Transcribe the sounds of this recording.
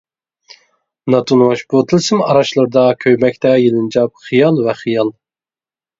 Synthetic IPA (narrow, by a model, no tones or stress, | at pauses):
nɑt̪ʰunwɑʃbut̪ʰɨlˠsɨmɑɾɑʃlˠɨɾd̪ɑkʲʰøjmɛkʲt̪ʰɛjilˠɨnd͡ʒɑp̚χijɑlˠvɛχijɑlˠ